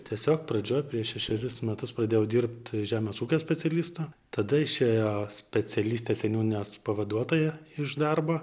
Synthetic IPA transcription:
t̪ʲiɛsʲoːkprɐd͡ʒʲoːjpʲɾʲiɛʃʃʲɛʃʲɛɾʲɪsmʲɛt̪ʊsprɐdʲeːjɛʊd̪ʲiːrpt̪ʒʲæːmʲɛsuːkʲoːsʲpʲɛt͡sʲɛlʲiːst̪oː | t̪ɐd̪ɐɪʃʲeːjoːsʲpʲɛt͡sʲɛlʲiːsʲt̪ʲeːsʲɛnʲuːnʲɪnʲoːspɐʋɐd̪uɔt̪oːjɛɪʒd̪ɐrboː

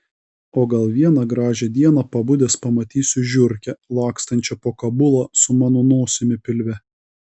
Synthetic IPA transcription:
oːɡɐlˠʋʲiɛnɐɡɾɑːʒʲɛd̪ʲiɛnɐpɐbʊd̪ʲeːspɐmɐt̪ʲiːsʲʊʒʲʊɾʲkʲɛlˠɑːkst̪ɐnʲt͡ʃʲɛpoːkɐbʊlˠɑsʊmɑːnoːnoːsʲɪmʲɪpʲɪlʲʋʲɛ

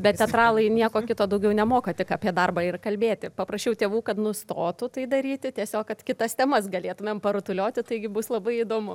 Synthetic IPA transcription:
bʲɛt̪t̪ʲɛt̪rɑːlˠɐɪnʲiɛkoːkʲɪt̪oːd̪ɐʊɡʲɛʊnʲɛmoːkɐt̪ʲɪkɐpʲiɛd̪ɐrbɐɪrkɐlʲbʲeːt̪ʲɪpɐpɾɐsʲt͡ʃʲɛʊt̪ʲeːʋuːkɐt̪nʊst̪oːt̪ʊt̪ɐɪd̪ɐɾʲiːt̪ʲɪtʲiɛsʲoːkkɐt̪kʲɪt̪ɐst̪ʲɛmɐsɡɐlʲeːt̪ʊmʲeːmpɐɾʊt̪ʊlʲoːt̪ʲɪt̪ɐɪɡʲɪbʊslˠɐbɐɪid̪oːmʊ

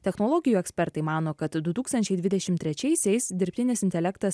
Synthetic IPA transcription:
t̪ʲɛxnoːlˠɔːɡʲɪjuːɛksʲpʲɛɾt̪ɐɪmɑːnoːkɐt̪d̪ʊt̪uːkst̪ɐnʲt͡ʃʲɛɪd̪ʋʲɪd̪ʲɛʃʲɪmt̪ʲɾʲɛt͡ʃʲɛɪsʲɛɪsd̪ʲɪɾʲpʲt̪ʲɪnʲɪsɪnʲt̪ʲɛlʲɛkt̪ɐs

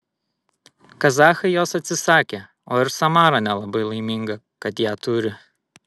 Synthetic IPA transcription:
kɐzɑːxɐɪjoːsɐt̪ʲsʲɪsɑːkʲe | oːɪɾsɐmɑːɾɐnʲɛlˠɐbɐɪlˠɐɪmʲɪŋɡɐ | kɐt̪jæːt̪ʊɾʲɪ

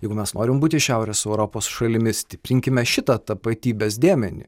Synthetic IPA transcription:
jɛɪɡʊmʲɛsnoːɾʲɪmbuːt̪ʲɪʃʲæˑʊɾʲɛsɛʊɾoːpoːsʃɐlʲɪmʲɪsʲt̪ʲɪpʲɾʲɪŋʲkʲɪmʲɛʃʲɪt̪ɐt̪ɐpɐt̪ʲiːbʲeːs̬d̪ʲeːmʲɛnʲɪ̰

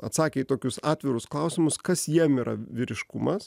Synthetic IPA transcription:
ɐt̪sɑːkʲeɪt̪oːkʲʊsɑːt̪ʲʋʲɪɾʊsklˠɐʊsʲɪmʊskɐsjiɛmiːɾʔɐ̰ʋʲɪɾʲɪʃkʊmɐs

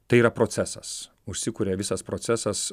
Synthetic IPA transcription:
t̪ɐɪiːɾɐpɾoːsʲæsɐs | ʊʃʲsʲɪkuːɾʲeːʋʲɪsɐspɾoːsʲæsɐs

